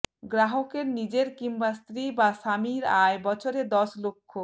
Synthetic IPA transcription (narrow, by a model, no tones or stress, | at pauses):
ɡɾaɦokeɾnid͡ʑeɾkimbast̪ɾibaʃamiɾaebɔt͡ɕʰoɾed̪ɔʃlokʰːo